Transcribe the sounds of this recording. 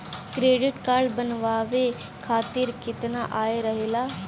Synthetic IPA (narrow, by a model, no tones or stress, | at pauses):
kɾeːɖɪʈkaɽbənʋaːʋeː | kʰaːt̪ɪɾkɪt̪naːʔaːeːɾəɦeːlaː